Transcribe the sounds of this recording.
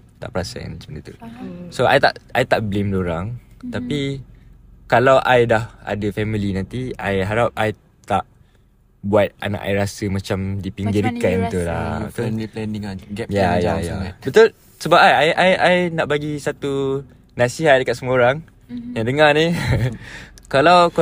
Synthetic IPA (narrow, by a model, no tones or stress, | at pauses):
t̪a̰ʔpəɾasə̰nsəbəndat̪usoa̰jt̪a̰ʔajt̪aʔblemdoɾaŋt̪api | kalawʔajdaha̰dəfɛmilinãnt̪iajɦaɾap̚aj | t̪aʔ | buat̪̚a̰na̰ʔa̰jɾasəmãt͡ʃamdipiŋɡɪɾkannt̪ula̰t̪ilɛndiŋaɡɛjajajabət̪ul | səbap̚ajajʔajajnaʔbaɡisat̪u | nasiɦat̪̚dəkat̪ʔ̪̚səmũoɾaŋ | jaŋdəŋani | kalawk